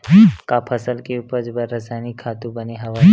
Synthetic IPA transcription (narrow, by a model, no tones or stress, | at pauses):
kapʰɐsəlkeupəɾd͡ʒbəɾːɐsajnikʰːaːt̪ũbɐneɦɐʋa